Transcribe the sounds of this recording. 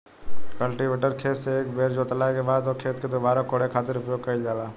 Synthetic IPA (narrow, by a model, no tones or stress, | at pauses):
kəlʈiʋeːʈəɾkʰeːt̪seeːkbeːɾd͡ʒoːt̪əlaːkebaːd̪okʰeːt̪ked̪oːbaːɾakoːɽekʰaːt̪ɪɾʊpjoːɡ̚kɐild͡ʒaːlaː